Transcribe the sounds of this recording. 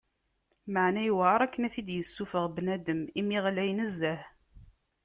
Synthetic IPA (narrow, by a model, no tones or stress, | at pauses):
məʕnæjuwʁɑɾˤækːənæθid̪jəsːufəʁbnæd̪əmimiʁlæjnəzːəh